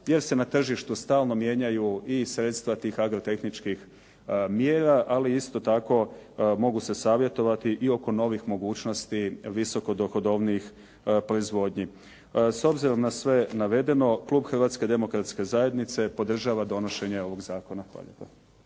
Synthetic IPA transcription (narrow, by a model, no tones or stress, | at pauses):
je̞ɾse̞nat̪r̩ʒiʃt̪ust̪aːlˠno̞mje̞ːɲajuisɾe̞t̪st̪ʋat̪iːxaɡɾo̞t̪e̞xnit͡ʃkix | mjeːɾaʔaliist̪o̞t̪ako̞mo̞ɡuse̞saːʋje̞t̪o̞ʋat̪iʔio̞ko̞no̞ʋixmo̞ɡuːt͡ʃno̞st̪iʋiso̞ko̞d̪o̞xo̞d̪o̞ʋniix | pɾo̞izʋo̞d̪ɲi | so̞bziɾo̞mnasʋe̞naʋe̞d̪e̞no̞klˠuːbxr̩ʋaːt̪ske̞d̪e̞mo̞kɾat̪ske̞zaje̞d̪nit̪se̞po̞d̪r̩ʒaːʋad̪o̞no̞ʃe̞ɲeo̞ʋo̞ɡzaːko̞napa̰ʎet̪o